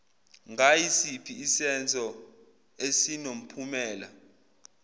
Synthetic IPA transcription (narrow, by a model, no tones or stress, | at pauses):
ŋʱajisipʰiːsɛnd͡zʱɔ | esinom̩pʰumɛːla